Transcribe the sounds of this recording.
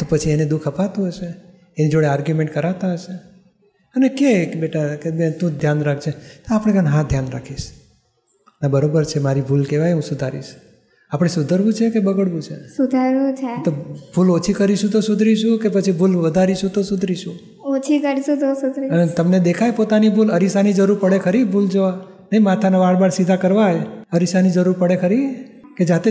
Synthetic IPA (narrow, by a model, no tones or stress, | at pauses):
t̪opət͡ʃʰiened̪ukʰəpat̪ũɦəʃe | enid͡ʒoɽeaɾɡjumeɳʈkəɾat̪aɦəʃe | ənekebeʈakebt̪ũd̪ʱjanɾak̚ʰt͡ʃʰet̪oapɽ̃ẽɡənɦãd̪ʱjanɾa̰kʰiʃ | nabəɾobəɾt͡ʃʰemaɾibʱulkeʋajɦũsud̪ʱaɾḭʃ | apɽ̃esud̪ʱəɾʋũt͡ʃʰekebəɡəɽʋũt͡ʃʰesud̪ʱaɾũt͡ʃʰet̪obʱulot͡ʃʰikəɾiʃũt̪osud̪ʱɾiʃũkepət͡ʃʰibʱulʋəd̪ʱaɾiʃũt̪osud̪ʱɾiʃũ | ot͡ʃʰikəɾiʃũt̪osud̪ʱɾit̪əmned̪ekʰajpot̪anibʱuləɾisanid͡ʒəɾuɾpəɽekʰəɾibʱuld͡ʒoʋa | nəimat̪ʰanaʋaɽbaɽsid̪ʱakəɾʋajəɾisanid͡ʒəɾuɾpəɽekʰəɾi | ked͡ʒat̪e